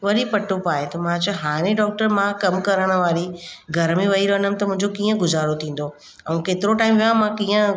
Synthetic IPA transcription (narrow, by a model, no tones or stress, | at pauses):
ʋɐɾipɐʈopaːɦet̪ɐmãt͡ɕɐɦaːɾ̃ẽɖɔːk̚ʈəɾmãkɐmkɐɾəɽ̃ə̆ʋaːɾiɡʱɐɾmẽʋɐɦiɾɐənəmɪ̆t̪ɐmʊ̃ɦɪ̃ɲd͡ʑokiːə̃ɡʊzaːɾot̪ʰĩːn̆d̪o | ɐũkeːt̪ɪɾoʈaːɪmʋijãmãkiːə̃